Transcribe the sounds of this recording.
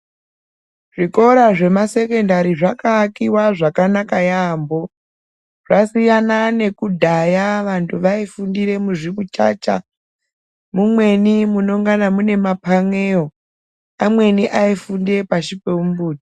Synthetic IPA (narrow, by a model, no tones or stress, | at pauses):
ʐ̥iko̞ɾaʐe̞mase̞ke̞ndaɾiʐakaːkiwaʐakanakajaːmbo̞ | ʐ̥asijanane̞kudʱajaʋantʰuʋaifundiɾe̞muʐikut͡ʃa̰ːt͡ʃa | mumwe̞nimuno̞ŋɡanamune̞mapaŋeo | amwe̞niʔaifundiepaʃipeumbuːti̥